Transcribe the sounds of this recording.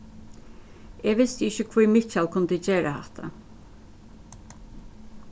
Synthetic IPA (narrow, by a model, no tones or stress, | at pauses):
ɛːʋɪst̪əɪçəkʰvujmɪt͡ʃalkʰʊnd̪əd͡ʒeːɾʔa̰hɛt̪ʰa̰